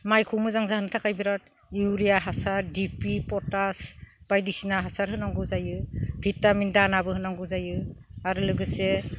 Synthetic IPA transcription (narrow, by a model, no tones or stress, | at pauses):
majkʰumɯzaŋzahɯntʰakʰajbiɾat̚uɾijaɦasaɾdipipɔtasb̥ajdisinaɦasaɾhɯnaŋɡuzajɯbʱitamindanabɯɦɯnaŋɡuzajɯaɾɯlɯɡɯse